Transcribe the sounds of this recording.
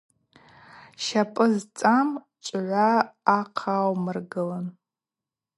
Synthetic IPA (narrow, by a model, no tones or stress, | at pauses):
ʃapʼɨzt͡sʼam | t͡ʃʷʼʕʷaːqʰawmɨrɡɨlan